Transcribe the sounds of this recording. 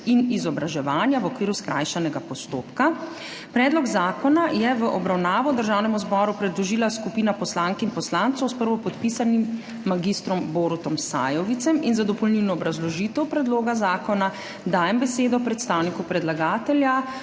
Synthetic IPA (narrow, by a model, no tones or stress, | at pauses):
inizɔbɾaʒɛʋaːnjaʋɔkʋiːɾuskɾʔa̰ːjʃɛnɛɡapɔst̪oːpka | pɾɛːd̪lɔɡzaːkɔnajɛʋəʔɔbɾawnaːʋɔd̪əɾʒaːwnɛmuzbɔɾupɾɛd̪lɔʒiːlaskupiːnapɔslaŋkinpɔslaːnt̪sɔwspəɾʋɔpɔt̪pisanimː | aɡist̪ɾɔmboːɾut̪ɔmsa̰ːjɔʋit̪sɛminzad̪ɔpɔlniwnɔːbɾazlɔʒiːt̪ɛwpɾɛd̪loːɡazaːkɔna | d̪aːjɛmbɛseːd̪ɔpɾɛt̪st̪awnikupɾɛd̪laɡaːt̪ɛlja